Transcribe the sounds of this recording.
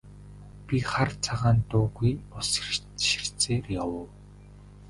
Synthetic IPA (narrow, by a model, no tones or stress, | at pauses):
pʲiχart͡sʰaʁaːnt̪ʊːɣujʊs | ʃi̥r̥t͡seːrjawəw